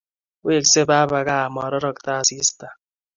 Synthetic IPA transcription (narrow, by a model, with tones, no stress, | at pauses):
we˦˨kse˦baː˦ba˨ka˦˨mɔ˨ɾɔ˦ɾɔ˦ktaː˦˨si˦sta˨